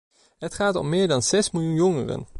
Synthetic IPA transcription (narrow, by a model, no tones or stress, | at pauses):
ɦətχaːtɔ̰mːɪːɹdɑnz̥ɛsmɪlˠjunjɔŋərə̰n